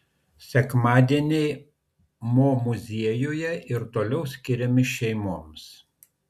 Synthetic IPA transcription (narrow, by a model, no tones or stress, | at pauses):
sʲɛkmɑːd̪ʲiɛnʲɛɪ | moːmʊzʲiɛjoːjɛʔɪɾt̪oːlʲɛʊsʲkʲɪɾʲɛmʲɪʃʲɛɪmoːms